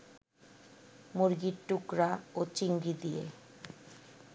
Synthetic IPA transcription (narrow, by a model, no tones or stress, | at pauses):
muɾɡiɾʈukɾaot͡ɕiŋɡɾid̪ijḛ